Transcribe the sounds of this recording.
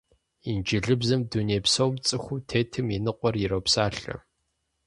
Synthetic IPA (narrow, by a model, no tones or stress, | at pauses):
ind͡ʒɪɮɨbzɨmduneːpsowmt͡sʼɨxʷutʰeːtʰɨminɨqʷʼɔrjiɾowpsaːɬɐ̰